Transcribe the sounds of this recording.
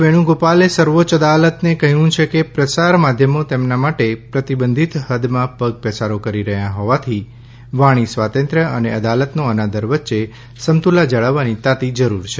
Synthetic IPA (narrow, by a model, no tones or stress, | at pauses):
ʋeɽ̃ũɡopalesəɾʋot͡ʃəd̪alət̪nekəɦjũt͡ʃʰekepɾəsaɾmad̪ʱjəmot̪emnamaʈepɾət̪ibənd̪ʱit̪həd̪mãpəɡ̚pɛsaɾokəɾiɾəɦjãɦɔʋat̪ʰi | ʋaɽ̃isʋat̪ə̃nt̪ɾəəneəd̪alət̪noənad̪ʱəɾʋətːʃe | səmt̪ulad͡ʒəɭəʋːanit̪at̪id͡ʒəɾuɾt͡ʃʰe